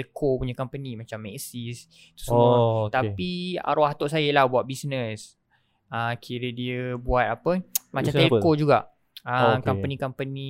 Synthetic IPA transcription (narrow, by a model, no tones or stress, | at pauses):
lkʰopuɲakampənimat͡ʃamːɛksis | t̪u̥smot̪apia̰ɾoaht̪oʔsajəlahbuat̪̚bisnə̃s | əmkʰiɾədiəbuat̪̚apəmat͡ʃamɛlkod͡ʒuɡaʔ | əmkampənikampəni